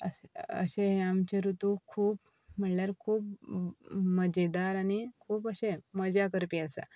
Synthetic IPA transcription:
ə̰ə̰ɕeɦeamt͡ɕeɾut̪ukʰuːp | m̤əɳljaɾkʰuːp̚ | məd͡ʑed̪aɾanikʰuːpəɕẽməd͡ʑakəɾpiəsa̰

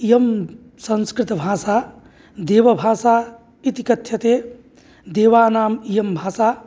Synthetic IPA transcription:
ijɐm | sɐ̃nskɾɪt̪bʱaːsaː | d̪eːʋɐbʱaːsaː | it̪ikɐt̪ʰjɐt̪eː | d̪eːʋaːnaːmijɐmbʱaːsaː

